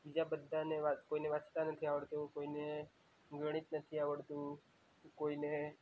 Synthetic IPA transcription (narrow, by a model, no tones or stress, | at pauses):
bid͡ʒabəd̪ʱːaneʋakoineʋat͡ʃt̪anət̪ʰiaʋəɭt̪ũkoine | ɡəɽ̃it̪nət̪ʰiaʋəɭt̪ũ | koine